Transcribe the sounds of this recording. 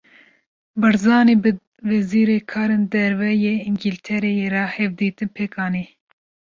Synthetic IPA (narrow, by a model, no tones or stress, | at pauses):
bɨɾzɑːneːbɨ | vɛziːɾekʰɑːɾeːnd̪ɛɾvɛjeːiŋɡilt̪ʰɛɾejeɾɛhɛvd̪iːt̪ɨnpʰeːkɑːneː